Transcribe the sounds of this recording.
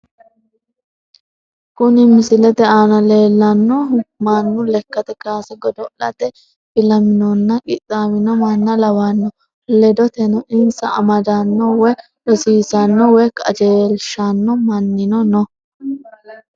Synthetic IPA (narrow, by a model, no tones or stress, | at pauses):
kʊnɪmɪsɪlɛd̪ɛʔaːnɐleːlːɐnːɔmɐnːʊlɛkːɐt̪ɛkaːsɐɡɔd̪ɔʔɐ̰t̪ɛ | b̥ɪlɐmɪnɔnːɐkʼɪt̪ʼːaːwɪnɔmɐnːɐlɐwɐnːɔ | lɛd̪ɔt̪ɛnɔʔɪnsɐʔɐ̰mɐd̪ɐnːɔwɛ | ɗɔsiːsɐnːɔwɔjkʼɐ̰d͡ʒeːlʃɐnːɔmɐnːɪnɔnɔ